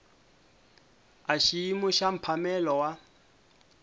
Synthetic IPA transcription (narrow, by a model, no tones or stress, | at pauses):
aʃiimuʃam̩pʰamɛlɔwa